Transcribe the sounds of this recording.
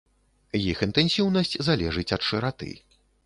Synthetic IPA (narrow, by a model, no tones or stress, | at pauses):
jixɨnt̪ɛnsʲiwnɐsʲt͡sʲzalʲɛʐɨt͡sʲɐt̪ʂɨɾat̪ɨ̰